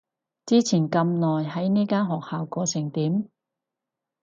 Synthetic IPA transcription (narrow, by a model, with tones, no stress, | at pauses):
t͡siː˥t͡sʰiː˨˩nkɐ˧mnɔː˨jɦɐ˨˥jniː˥kaː˥nɦɔː˨k̚haː˨wkɔː˧sɪ˨˩ŋt̪iː˨˥m